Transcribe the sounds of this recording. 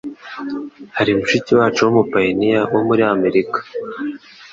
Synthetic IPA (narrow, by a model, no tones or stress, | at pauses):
haɾimuʃitiwaːt͡ʃuwomupajinijawomuɾiame̞ɾikḁ